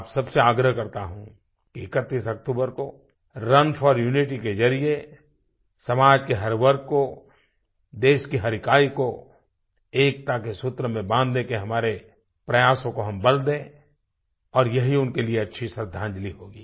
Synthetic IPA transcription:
apsɐbseaːɡɾəɦkɐɾt̪aɦũ | kiɪkət̪ːiːsɐk̚ʈ̪uːbəɾko | ɾɐnfʰɔːɾjuːnɪʈiked͡ʒɐɾie | sɐmaːd͡ʒkeɦɐɾʋɐɾkko | d̪eːʃkiɦɐɾɪkaːiko | eːk̚t̪akesʊt̪ɾəmẽbãːnd̪lẽkeɦɐmaːɾe | pɾɐjaːsõkoɦɐmbɐld̪ẽː | ɔːɾjɐɦiʊnkelieɐtːʃʰisɐɾd̪ʱːãːɲd͡ʒliɦoːɡiː

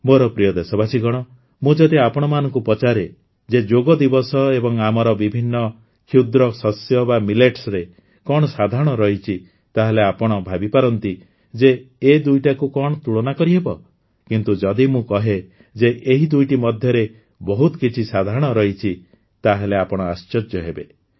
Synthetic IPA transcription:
moɾɔpɾijɔd̪esɔbasiɡɔɽ̃ɔ | mũd͡ʒɔd̪iapɔɽ̃ɔmanɔŋkupɔt͡ʃaɾe | d͡ʒed͡ʒoɡɔd̪ibɔsɔebɔŋamɔɾɔbibʱinːɔ | kʰud̪ɾɔsɔsjɔbamileʈsɾe | kɔɽ̃ɔsad̪ʱaɾɔɽ̃ɔɾɔɦit͡ʃʰi | t̪aɦeleapɔɽ̃ɔbʱabipaɾɔnt̪i | d͡ʒeːd̪ujʈakukɔɽ̃ɔt̪uɭɔnakɔɾiɦebɔ | kint̪ud͡ʒɔd̪imũkɔɦe | d͡ʒeʔeɦid̪ujʈimɔd̪ʱjɔɾe | bɔɦut̪ɔkit͡ʃʰisad̪ʱaɾɔɽ̃ɔɾɔɦit͡ʃʰi | t̪aɦeleapɔɽ̃ɔast͡ʃɔd͡ʒjɔɦebe

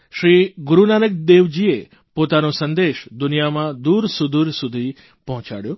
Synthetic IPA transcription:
ʃɾiɡuɾunanək̚d̪eʋd͡ʒie | pot̪anõsənd̪eʃd̪unijamãd̪uɾsud̪uɾsud̪ʱi | pɔɦɔ̃t͡ʃa̰ɽjo

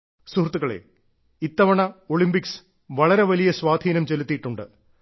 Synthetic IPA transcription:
suhrt̪ːuɣɐɭe̞̰ | it̪ːɐʋɐɳɐoɭimbiks | ʋɐɭɐɾe̞ʋɐlijɐswaːd̪ʱiːnɐmt͡ɕe̞lut̪ːiʈːuɳɖɨ̰

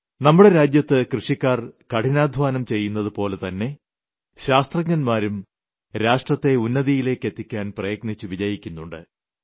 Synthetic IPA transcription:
nɐmːuɽe̞ɾaːd͡ʑjɐt̪ːɨkrɨʂikʲːaːrkɐʈinaːd̪ʱʋaːnɐmt͡ɕe̞jːunːɐðɨpo̞ːle̞t̪ɐnːe̞ | ɕaːst̪rɐɡɲɐnmaːɾum | ɾaːʂʈrɐt̪ːe̞unːɐðijile̞ːkːe̞t̪ːikʲːaːnprɐjɐɡ̚nit͡ɕːuʋid͡ʑɐjikʲːunːuɳɖɨ̰

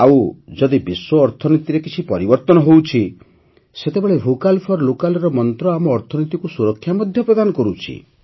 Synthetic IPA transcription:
awd͡ʒɔd̪ibiswɔːɾt̪ʰɔnit̪iɾekit͡ʃʰipɔɾibɔɾt̪ɔnɔɦowt͡ʃʰi | set̪ebeɭebʱokalpʰɔɾlokalɔɾɔmɔnt̪ɾɔamɔːɾt̪ʰɔnit̪ikusuɾɔkʰːjamɔd̪ʱjɔpɾɔd̪anɔkɔɾut͡ʃʰḭ

